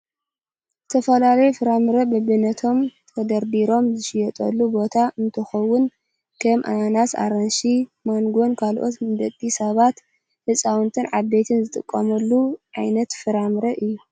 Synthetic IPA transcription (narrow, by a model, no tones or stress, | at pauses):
zɨt̪ʰɐfɐlalɐjufɨɾamɨɾɐbɐbɨnɐt̪ʰo̞mt̪ʰɐd̪ɐɾbiɾo̞mzɨʃɪjɛt̪ʼɐ̰lːubo̞t̪ʰaʔɨnt̪ʰɨxɐwːʊn | kʰɐmʔanasa̰ɾɐnʃimaŋɡo̞nkʰalʔo̞̰t̪mɨd̪ɐt̪ʼisɐβat̪ | hɨsʼawɨnt̪ʰɨnʕaβbet̪ʰɨnzɨt̪ʼɨkʼːɐ̰mɐlːuʕajnɐt̪fɨɾamɾɐʔɨjːu